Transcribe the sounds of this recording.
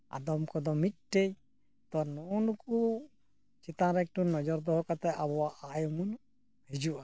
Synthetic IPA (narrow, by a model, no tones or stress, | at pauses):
a̰d̪ɔmkɔd̪ɔmit̪̚ʈej | t̪ɔnɔnuku | t͡ʃit̪ãɾɛk̚ʈunɔd͡ʒɔɾd̪ɔɦɔkat̪ɛabɔwaʔajɔmun | hɛd͡ʒuʔa